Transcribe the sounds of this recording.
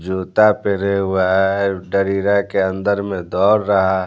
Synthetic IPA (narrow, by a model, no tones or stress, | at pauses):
d͡ʒoːt̪apeɾeɦuaɦɛɖəɾiɾakeə̃nd̪əɾmẽd̪ɔːɾːəɦa